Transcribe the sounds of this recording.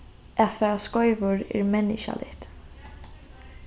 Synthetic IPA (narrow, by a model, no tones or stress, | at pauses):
ʔat̪fɛːɾaskɔʏvʊɹɪ̰ɾmɛnːɪʃa̰lɪ̰ht̪